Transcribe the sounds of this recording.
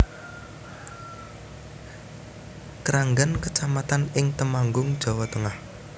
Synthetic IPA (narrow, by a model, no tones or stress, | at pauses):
kəɾaŋɡankət͡ʃamat̪anɪŋt̪əmaŋɡʊŋd̥ʒ̥ɔ̤wɔt̪əŋah